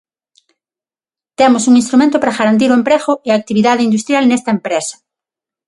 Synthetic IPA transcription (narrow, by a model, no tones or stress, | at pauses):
t̪emosuŋĩnst̪ɾumẽnt̪ʊpaɾaɣaɾant̪̬iɾoempɾeɣʊeaːk̚t̪iβiðaðɪind̪ust̪ɾjalnest̪ɐempɾesɐ̥